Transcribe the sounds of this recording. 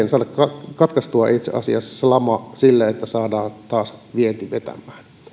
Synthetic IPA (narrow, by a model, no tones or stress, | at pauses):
ensɑːdɑkkɑkɑt̪kɑst̪uɑ̰ʔit̪sḛɑ̰siɑsɑ̥slɑmɑsilːæet̪ːæsɑːdɑːnt̪ɑːsʋient̪iʋet̪æ̰mˑæːn